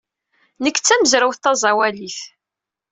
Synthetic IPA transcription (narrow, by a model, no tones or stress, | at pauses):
nəkːt͡sːæməzɾəwθt̪ːɑzˤɑwæliθ